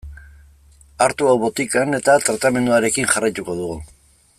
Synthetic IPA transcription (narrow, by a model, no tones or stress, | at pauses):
aɾt̪uawβo̞t̪ikane̞t̪at̪ɾat̪ame̞nd̪uaɾe̞kinʝarajt̪uko̞ðuɣu